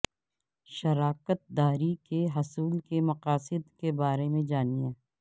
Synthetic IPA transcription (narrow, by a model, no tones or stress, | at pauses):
ʃɐɾaːkət̪̚d̪aːɾikeɦɐsuːlkemɐqaːsɪd̪kebaːɾemẽd͡ʒaːniãː